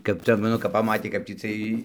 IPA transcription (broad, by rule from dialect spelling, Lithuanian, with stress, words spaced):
kɐp ˈt͡sʲɛ ˈnʊ kɐp pɐˈmɑːtʲeː kɐp tʲiː ˈt͡sʲiɛj